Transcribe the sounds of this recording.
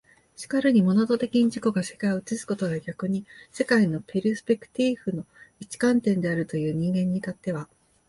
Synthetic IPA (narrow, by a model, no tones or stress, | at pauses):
ɕi̥kaɾɯ̟ɲ̟imo̞no̞t̪o̞t̪e̞kʲiɲ̟iʑiko̞ɡase̥kaiɯt͡sɨsɨ̥ko̞t̪o̞ɡaɡʲakɯ̟ɲ̟ise̞kaino̞pʰe̞ɾʲɯsɨ̥pe̞kɯ̟̥t̪iɸɯ̟no̞it͡ɕi̥kãnt̪ẽ̞nd̪e̞aɾɯ̟t̪o̞jɯ̟ːɲ̟ĩŋɡẽ̞ɲ̟ːit̪at̪ːe̞βa